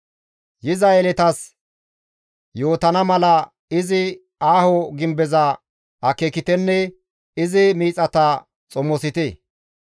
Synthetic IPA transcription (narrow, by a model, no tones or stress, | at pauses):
jɪzaelɛt̪ɐs | joːt̪ɐnɐmɐlɐ | ɪzɪ | aːhɔɡɪmbɛzɐ | ɐkekɪt̪ɛnːɛ | ɪzɪmiːt͡sʼɐt̪ɐ | t͡sʼɔmːɔsɪt̪ɛ